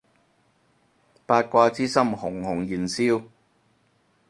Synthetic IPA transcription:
paː˧t̚kʷaː˧t͡siː˥sɐ˥mhʊ˨˩ŋhʊ˨˩ŋjiː˨˩nsiː˥w

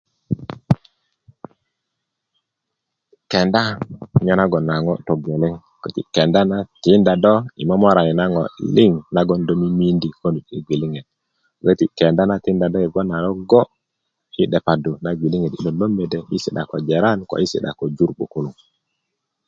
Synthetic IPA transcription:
kɛ˨nda˦ɲɔ˦na˦ɡɔ˨na˨ŋɔ̰˦tɔ˨ɡe˨lɛ˦ŋ | kə˦tḭ˨kɛ˨nda˦na˦ti˦nda˨dɔ˦i˨mɔ˦mɔ˦ɾa˨ni˨na˦ŋɔ˨li˦ŋna˦ɡɔ˦ndɔ˦mi˦mi˦ndi˨ko˦ndu˨tḭ˦ɡi˨li˦ŋɛ˨d̚ | kə˦ti˦kɛ˨nda˦na˦ti˦nda˨dɔ˦i˨ɡɔ˦na˨lɔ˦ɡɔ˦ | i˦ɗɛ˨pa˨du˨na˦ɡi˨li˦ŋɛ˨di˦ɗɔ˨lo˦mbɛ˨dɛ˨mi˦si˨ɗa̰˨kɔ˨d͡ʒɛ˨ɾa˦nkɔ̰˨i˦sḭ˨ɗa̰˨kɔ˨d͡ʒu˦ɾk͡pṵ˨ku˦lu˨ŋ

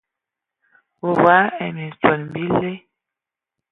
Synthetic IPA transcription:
wo˨wa˨˦ɛ˨mi˨sɔ˨lmbi˦le˦

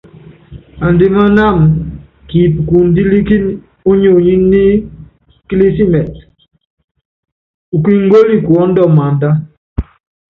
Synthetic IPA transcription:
a˨n˨di˨ma˦na˦˨m | ki˨pku˨n˦di˦li˦ki˦n | o˦ɲo˨ɲi˦nː˦i˦ | ki˦li˦si˦mɛ˨t | u˨ki˦ŋ̩˦ɡo˦li˦ku˨ɔ˨˦n˦dɔ˦ma˨n˨da˦

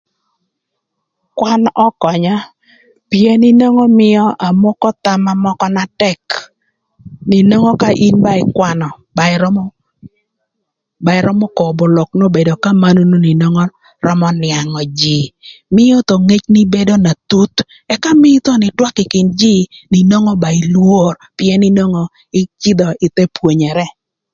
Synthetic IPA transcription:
kwa˦nɔ˦kɔ˨ɲa˦ | pje˦nɪ˦nɔ˦ŋɔ˦mɪ˦jɔ˦ʔa˨mɔ˦kɔ˦t̪a˨ma˦mɔ˦kɔ˦na˦tɛ˦k | nɪ˨no˦ŋɔ˦ka˦ʔi˦nba˦ɪ˨kwa˦nɔ˨ | ba˨ɾm˦ | ba˨ɪ˨ɾɔ˦mɔ˦kɔ˨bo˨lɔ˨kno˦be˨do˨ka˦ma˦no˦no˦ni˨nɔ˦ŋɔ˦ | rɔ˦mɔ˦nɪa˨ŋɔ˨d͡ʒi˨mɪ˦jo˦t̪o˨ŋe˦t͡ʃnɪ˦be˦do˦na˨t̪u˦t̪ | ɛ˦ka˦mɪ˦t̪ɔ˦nɪ˨twa˦kɪ˨kɪ˨nd͡ʒi˦nɪ˨nɔ˦ŋɔ˦ba˨ɪ˨lwo˦rpɪɛ˦nɪ˦nɔ˦ŋɔ˦ | ɪ˦t͡ʃɪ˦d̪ɔ˨ʔɪ˨t̪e˦pwo˨ɲɛ˨ɾɛ˦

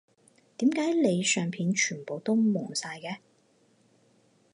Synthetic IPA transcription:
t̪iː˨˥mkaː˨˥jle˨˧jsœː˨ŋpʰiː˧nt͡ʃʰyː˨˩npo˨wt̪o˥wmʊ˨˩ŋsaː˧jkɛː˧

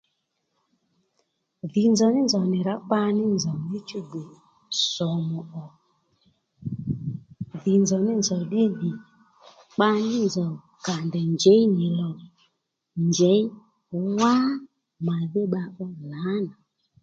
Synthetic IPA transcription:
ðɪ˨nzɔ˨nɪ˦nzɔ˨nɪ˨ɾa˨˦k͡pa˧nɪ˦nzɔ˨nɪ˦t͡ʃu˦ɡ͡be˨ | sɔ˨mɔ˨ʔɔ˨ | ðɪ˨nzɔ˨nɪ˦nzɔ˨ɗɪ˦ði˨ | k͡pa˧nɪ˦nzɔ˨ | ka˨ndɛ˨ɲd͡ʒɛ˨˦i˦ɲɪ˨lɔ˨ | nd͡ʒɛ˨˦i˦ | wa˦ | ma˨ðɪ˦ɓa˧ʔɔ˦la˨˦na˨

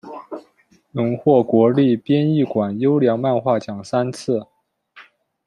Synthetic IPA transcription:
nʊ˧˥ŋxwɔ˥˩kwɔ˧˥li˥˩pjɛ˥ni˥˩kwa˨˩njo˥ʊljɑ˧˥ŋma˥˧nxwa˥˩t͡ɕjɑ˨˩ŋsa˥nt͡s̩ʰ˥˩

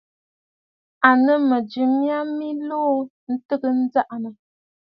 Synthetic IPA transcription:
a˨nə˦mə˨d͡ʒi˨mja˦mi˦loː˦ | n̩˦tə˦ɡə˦n̩˦d͡za˦ʔnə˨

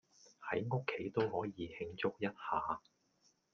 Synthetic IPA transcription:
hɐ˨˥jŋʊ˥kʰːe˨˥jt̪o˥whɔː˨˥jiː˨˧hɪ˧ŋt͡sʊ˥k̚jɐ˥t̚haː˨˧

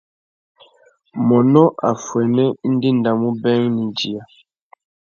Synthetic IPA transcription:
mɔ˨nɔ˦ʔa˨fwɛ˨nɛ˦n̩˦di˦n˨da˨mu˦bɛ˦ŋni˨d͡ʒi˨a˨

